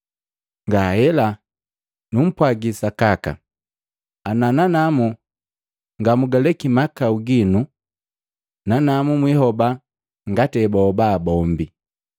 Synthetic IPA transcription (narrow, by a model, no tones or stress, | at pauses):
ŋɡahɛla | num̩pwaɡisakaka̰ | anananamu | ŋɡamuɡalɛkimakauɡinu | nanamumwiɦɔba | ŋɡatɛbɔːbaːbɔmbi